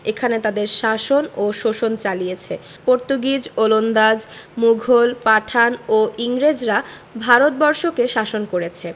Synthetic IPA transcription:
ekʰanet̪ad̪eɾʃaʃonoʃoʃont͡ɕalijet͡ɕʰe | poɾt̪oɡid͡ʑolond̪ad͡ʑmuɡʱolpaʈʰanoiŋɾed͡ʑɾa | bʱaɾot̪̚bɔɾʃokeʃaʃonkoɾet͡ɕʰe

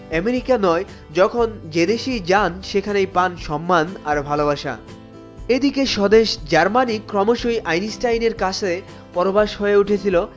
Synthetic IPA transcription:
ɛmeɾikanɔe | d͡ʑɔkʰond͡ʑed̪eʃijd͡ʑanʃekʰanejpanʃɔmːanaɾbʱalobaʃa̰ | ed̪ikeʃɔd̪eʃd͡ʑaɾmanikːɾɔmoʃoiʔajnisʈajneɾkat͡ɕʰe | pɔɾobaʃɦoeuʈʰet͡ɕʰilo

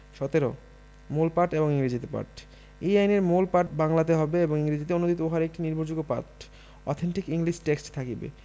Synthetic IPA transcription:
ʃɔt̪eɾo̰ | molpaɾʈeboŋiŋɾid͡ʑit̪epa̰ɾʈ | eajneɾmolpaɾʈbaŋlat̪eɦɔbeeboŋiŋɾid͡ʑit̪eonod̪ʱit̪ooɦaɾek̚ʈiniɾbʱoɾd͡ʑuɡopa̰ɾʈ | ɔ̰t̪ʰeɳʈikiŋliʃʈeksʈt̪ʰakibḛ

